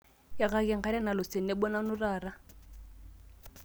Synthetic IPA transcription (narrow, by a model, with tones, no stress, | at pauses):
ja˨ɣa˦kɛ˨ŋ̩˨χa˦ɾa˦na˨lʊ˨se˨n̩ɛ˦bɔ˦na˦nʊ˦raː˨ra˦